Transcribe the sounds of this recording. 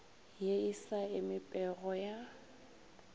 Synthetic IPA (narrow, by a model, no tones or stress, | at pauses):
jeisaɪmɪpʼɛɣɔja